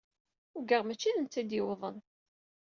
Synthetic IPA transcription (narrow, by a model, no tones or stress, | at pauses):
ʊɡəʁmæt͡ʃːiðənt͡s̪ːid̪jɪwðˤən